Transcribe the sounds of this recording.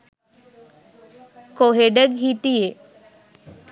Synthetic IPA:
koɦeɖəɡɦiʈ̪ije

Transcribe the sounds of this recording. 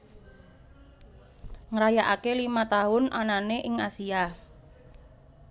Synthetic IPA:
ŋəɾajaʔakelimat̪aɦʊnʔananeʔɪŋasia

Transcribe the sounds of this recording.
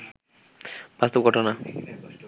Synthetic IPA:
b̥ast̪obɡʱɔʈona

